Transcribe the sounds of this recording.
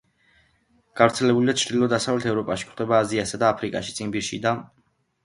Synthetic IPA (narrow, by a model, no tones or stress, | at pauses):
ɡ̥avɾt̪sʰɛlɛbulid̪at͡ʃʰɾd̪ilˠɔd̪asavlɛt̪ʰɛvɾɔpʼaʃi̥kʰχd̪ɛbaːziasad̪aːpʰɾikʼa̰ʃit̪sʼinbiɾʃḭd̪a